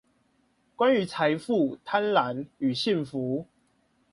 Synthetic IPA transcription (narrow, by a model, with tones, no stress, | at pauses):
kwa˦ny˨˦t͡sʰa˨˧˦jfu˥˨t̪ʰa˦˥nla˨˦ny˨˩ɕi˥˨nfu˨˦